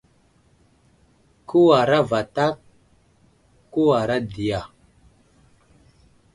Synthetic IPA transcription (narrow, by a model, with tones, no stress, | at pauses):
ku˦wa˨ɾa˦va˨ta˦k | kːu˦wa˨ɾa˦di˨ja˨